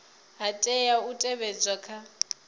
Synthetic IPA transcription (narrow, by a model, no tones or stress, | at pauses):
ɦatʼɛjautʼɛβɛd͡zakʰa